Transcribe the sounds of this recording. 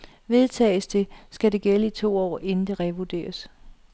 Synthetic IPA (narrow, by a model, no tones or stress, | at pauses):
ʋe̝ð̞ˠt͡sʰɛ̰ːɪsd̥e̝sɡ̥æde̝ɡ̥eləit͡sʰo̝̰ːɒ̰ːʔe̝nn̩d̥e̝ʁɛʋud̥e̝̰ːɐs